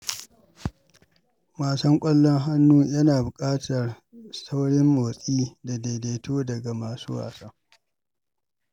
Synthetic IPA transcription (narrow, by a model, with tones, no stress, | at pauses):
maː˨sɔ˦ŋkʷʼɐ˦lːɔ˦ŋɦa˦nːuː˦jɐ˦naː˨bʊ˨kʼaː˦tʰɐ˨r | sa˦wɽɪ˦mːoː˨sʼiː˦da˨de˨deː˨toː˦dɐ˨ɡa˨maː˨sṵː˦wa̰ː˨sa˦